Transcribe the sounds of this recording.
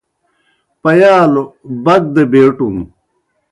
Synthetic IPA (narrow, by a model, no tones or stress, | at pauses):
pɐjaːlobɐɡ̚d̪ebeːʈum